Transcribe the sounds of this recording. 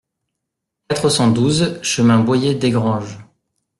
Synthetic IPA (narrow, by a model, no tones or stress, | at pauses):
k̚at̪χəsɑ̃d̪uzʃəmɛ̃bwajed̪eɡʁɑ̃ʒ